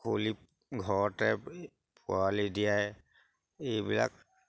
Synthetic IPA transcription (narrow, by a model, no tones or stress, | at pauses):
kʰoli | ɡʱɔɹɔtɛ | pʊalidijaj | ejbila̰k